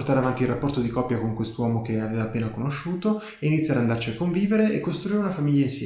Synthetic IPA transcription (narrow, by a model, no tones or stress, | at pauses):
rt̪aːɾeavant̪ilrːapːɔrt̪od̪ikɔpːjakoŋkwest̪owɔːmokeaveːvaːpːeːnakonoʃːuːt̪o | einit̪sjad̪and̪art͡ʃiakːoɱviːveɾeekːost̪ɾuiːɾeunafamiʎːainsjɛ